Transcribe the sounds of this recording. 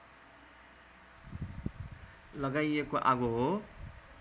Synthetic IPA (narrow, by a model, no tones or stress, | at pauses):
lʌɡajekoʔaɡoɦo